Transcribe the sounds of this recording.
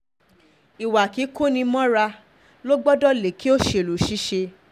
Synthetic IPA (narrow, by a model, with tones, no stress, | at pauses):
i˨wa˨ki˨˦ko˦nĩ˧mɔ̃˦ɾa˧ | lo˦ɡ͡bɔ˦dɔ˦le˨ki˦o˦ʃe˧˨lu˨ʃi˦ʃe˧